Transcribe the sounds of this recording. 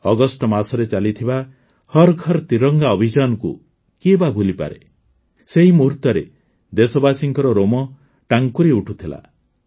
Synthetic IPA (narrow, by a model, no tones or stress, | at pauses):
ɔɡɔsʈɔmasɔɾet͡ʃalit̪ʰiba | hɔɾɡʱɔɾɔt̪iɾɔŋɡaɔbʱid͡ʒanɔkṵ | kibabʱulipa̰ɾe | seɦimuɾt̪ɔɾe | d̪esɔbasiŋkɔɾɔɾomɔ | ʈaŋkuɾiuʈʰut̪ʰila̰